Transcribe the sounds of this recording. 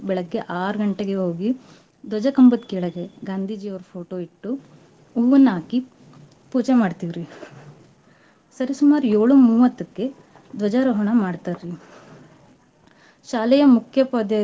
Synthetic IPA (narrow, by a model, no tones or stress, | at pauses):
bɛɭɐɡːeʔaːɾɐɡɐɳʈeɡeɦoːɡi | d̪ʋɐd͡ʒɐkɐmbɐt̪kiːɭɐɡeɡaːnd̪ʱiːd͡ʒijɐʋɐɾupʰo̞ːʈoːiʈːu | uːʋɐnːaːki | puːd͡ʒemaːɖt̪iʋɾi | sɐɾisumaːɾujoːɭumuːʋɐt̪ːɐkːe̞ | d̪ʋɐd͡ʒaːɾɐɦɔɳɐmaːɖt̪aɾɾi | ʃaːlɛjɐmukʰjɐpɐd̪ɐ